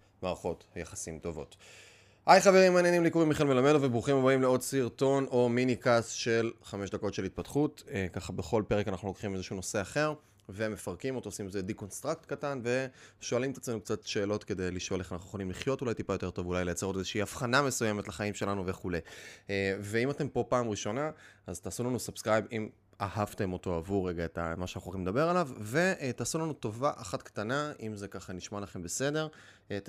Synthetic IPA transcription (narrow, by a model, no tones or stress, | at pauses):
maːʁaχo̞thjaχḁsimto̞vo̞̰t | ajχaveʁimaːnjenimlikuʁimiχelmelame̞dovebʁuχimabaimleo̞dsiʁto̞no̞minikasʃe̞lχame̞ʃd̪ako̞t̪ʃe̞lit̚patχutkaχabe̞χo̞lpe̞ʁekanaχnulo̞kχimezeʃuno̞se̞aχe̞ʁ | ve̞me̞faʁkimot̪osimezediko̞nst̪ʁaktkatanve̞ʃo̞alimt̪ḁt͡slenukt͡satʃe̞ːlo̞tke̞de̞jliʃo̞le̞χanaχnuχo̞limliχjo̞tulajtipajo̞te̞to̞vulajlejat͡se̞ʁotzeʃiiafχaname̞suje̞me̞tlaχaimʃe̞lanuve̞χule̞jeve̞imate̞mpo̞paːmʁiʃo̞naazt̪aːsulanusab̥skʁajbim | ahavte̞mo̞to̞avuʁːeɡaeta̰maʃeanaχuaχimedabe̞ʁalavve̞ʔtaːsulanuto̞vaʔaχatktanaimze̞kaχaniʃmalaχe̞mbese̞de̞ʁ